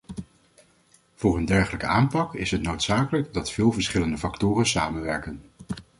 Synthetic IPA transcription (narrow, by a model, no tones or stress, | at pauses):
v̥ʊːɹəndɛɹχələkəaːmpɑkɪsɦətnowtsaːkələkdɑtfɪːlˠvəɹsχɪləndəfɑktʊːrənsaːmənʋɛɹkən